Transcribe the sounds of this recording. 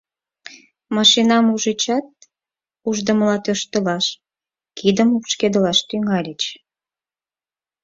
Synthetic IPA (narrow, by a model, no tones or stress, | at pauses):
mɑʃinɑmuʒit͡ɕɑt̪̚ | uʒd̪əməlɑt̪øʃt̪əlɑʃ | kid̪əmupʃked̪əlɑʃt̪yŋɑlʲət͡ɕ